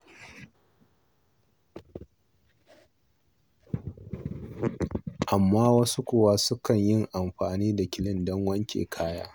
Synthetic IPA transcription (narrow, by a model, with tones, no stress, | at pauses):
ʔa˨mːaː˦wɐ˦su˦kʷʊ˨waː˦sʊ˦kɐ˨ɲjɪ˦ŋʔa˨mɸaː˨niː˦da˨kʲɪ˨lɪ˦ndɔ˦ŋwɐ˦ŋkʲḛː˨kʰaː˦ja̰ː˦